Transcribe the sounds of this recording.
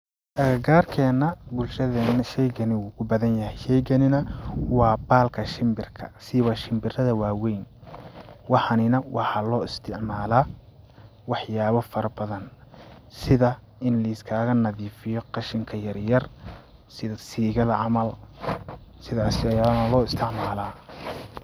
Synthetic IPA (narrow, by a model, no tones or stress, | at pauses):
ɐɐɡaːrkʰɛːnɐbʊlʃɐðɛʃɛjɡɐnɪwuːkʰʊbɐðɐnjɐhɛjʃɛjɡɐnɪnɐwɑːbaːlkʰɐʃɪmbɪrkʰɐ̰sɪβɐʃɪmbɪrɐðɐwaːwɛjn | wɑħɑnɪnɐwʔɑħɑlɔːɪst̪ʰɪʕmaːlaː | wɑħjaːβɔfɐɾɐbɐðɐnsɪðɐ | ʔɪnlɐɪskʰaːɣɐnɐðiːfɪjɔqɑʃɪŋkʰɐjɐrjɐr | sɪðɐsiːɣɐlɐʕɑmɐl | sɪðaːsɪɐjaːlnɐlɔːɪst̪ʰɪʕmaːlaː